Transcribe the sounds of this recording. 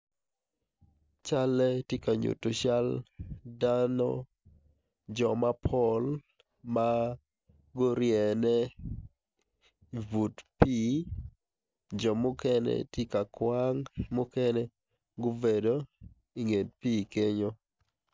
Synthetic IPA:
t͡ʃa˦lɛ˦ti˦ka˨ɲṵ˨to˨ʃa˦lda˦nɔ̰˦ | d͡ʒɔ˨ma˦pʰɔ˦l | ma | ɡo˦ɾjɛ˨nɛ˦ | vu˨tpi˦ | d͡ʒɔ˨mʊ˦kɛ˦nɛ̰tɪ˦ka˨kwa˦ŋmʊ˦kɛ˦nɛ˦ | ɡʊ˦ve˨do˦ | i˨ŋe˨tpiː˦ke˦ɲo˦

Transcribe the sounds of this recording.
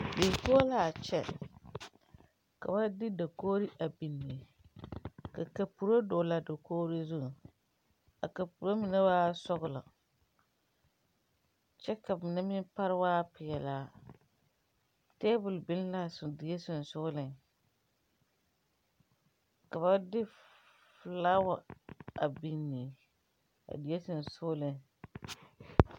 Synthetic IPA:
bɪ˨po˦o˦laː˦˨t͡ʃɛ˦ | ka̰˨ba˦dɪ˦da˨koː˦ɾi˦ʔa˨bi˨nːi˨ | ka˨ka˨pu˨ɾo˦dʊː˨la˨da˨koː˦ɾi˦zʊ˦˨ | ka̰˨ka˨pu˨ɾo˦mɪ˨na˦baː˦sɔ˦ɣʊ˦˨la˨ | t͡ʃɛ˦ka˨mɪ˨na˦mɪ˦n˦pa˦ɾɨ˦waː˦pɪ˨jɛ˨laː˨˦ | teː˦bʊ˨lbɪ˦n˦la˦˨sʊ˨dɪ˨je˦sʊ˨n˨sʊ˦lɪ˨ | ka˨βa˦dɪ˦ | fla˦wa˨a˨bi˨nːi˨ | a̰˨di˨je˦sɪ˨n˨sʊ˦lɪ˦˨

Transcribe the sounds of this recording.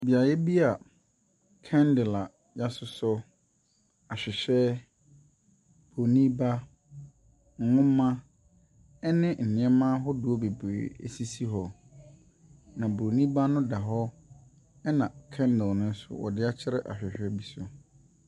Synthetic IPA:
bi˨a˨jɛ˦bi˦a˨ | kʰɛ̃˦ndɪ˨la˨ | ja˦sʊ˨˦sʊ˦ | a˨ɕᶣɪ˨ɕᶣɛ˦ | b̥ɾo˨nĩ˦ba˦ | ŋ̩˦˨ŋʊ̃˦mːã˦ | ɛ˦nɪ̃˦n̩˨nɪ̃˨˦ɛ˦mã˦ɦɔ˦dʊ˨ɔ˦be˨bḛ˨˦˨ḛ˨si˦si˦ɦɔ˨ | nã˨bɾo˨nĩ˦ba˦nʊ̃˦da˨ɦɔ˦ | ɛ˦nã˨kʰɛ̃˦ndɪ˨lnʊ̃˦n̩˦sʊ̰˨wɔ̰˨dɪ˦a˦t͡ɕʰɪ˦ɾɛ˦ʔa̰˨ɕᶣɪ˨ɕᶣɛ˦bi˨sʊ˨

